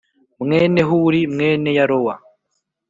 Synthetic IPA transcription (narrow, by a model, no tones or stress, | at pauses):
mŋeːne̞ɦuɾimŋe̞ːne̞jaɾowa